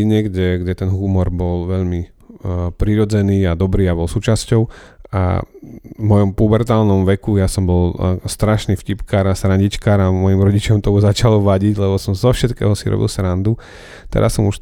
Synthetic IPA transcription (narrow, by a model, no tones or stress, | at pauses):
ɲɪɛɡɟɛɡɟɛt̪ɛnɦumɔɾbɔlʋɛʎmi | pɾiɾɔd͡zɛniːad̪ɔbɾiːabɔlsuːt͡ʃascɔʊa̰vmɔjɔmpubɛɾt̪aːlnɔmʋɛkujasɔmbɔlst̪ɾaʃnifcipkaːɾasɾaɲɟit͡ʃkaːɾamɔjimɾɔɟit͡ʃɔmt̪ɔuzat͡ʃalɔʋaɟiɟlɛbɔsɔmzɔfʃɛt̪kɛ̰ːɦɔsiɾɔ̰bḭlsɾand̪u | t̪ɛ̰ɾa̰ssɔmuʃ